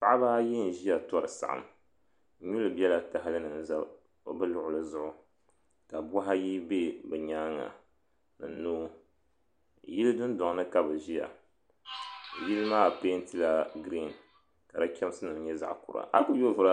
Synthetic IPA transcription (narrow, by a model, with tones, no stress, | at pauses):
pa˦ʔa˦ba˦jɛ˦n̩˨ʒi˦ja˨tɔ˦ɾɨ˨sa̰˨ʔa̰˨m˦ | ɲu˦lɨ˨bɛ˦la˨ta˨ɦa˦lɨ˦nɨ˨n˦za˦˨ | bɨ˦lʊ˦ʔʊ˨lɨ˦zʊ˦ʔʊ˦ | ka˨ba˦ɦa˦ji˦be˦bɛ˨ɲaː˦ŋːa̰˨ | nɨ˨n˦nuː˦ | ji˦lɨ˦dɨ˦n˦dɔ˨ŋ˨˦nɨ˦ka˨bɨ˨ʒi˦ja̰˨ | ji˦lɨ˦maː˦˨pe˦n˦ti˦la˦ɡɾi˦˨n | ka˨da˦kʲɛ˦m˦sɨ˦nɨ˨ɲɛ˦za̰˨ʔkṵ˨ɾa̰˨ʔa̰˦ku˦jo˦vɨ˦ɾa˦